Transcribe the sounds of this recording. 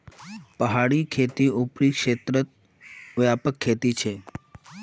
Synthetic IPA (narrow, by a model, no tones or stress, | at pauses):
pəɦaɽikʰet̪iupɽikʃet̪ɾət̪̚ | ʋəjapəkʰːet̪it͡ʃʰe